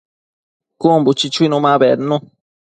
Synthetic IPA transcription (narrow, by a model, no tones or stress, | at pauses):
kumbut͡ʃit͡ʃuinũmãβenũ